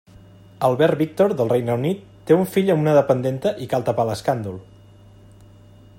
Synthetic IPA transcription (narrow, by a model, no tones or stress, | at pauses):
əlˠβɛɾβik̚t̪oɾðəlˠrejnəunit̪ːeuɱfiʎəmunəðəpənd̪ent̪əʔikalˠt̪əpaləskand̪ulˠ